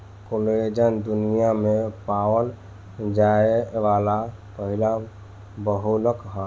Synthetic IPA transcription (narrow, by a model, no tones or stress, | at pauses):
koled͡ʒənd̪unijamepawəl | d͡ʒaeʋala | pəɦila | bəɦuləkɦə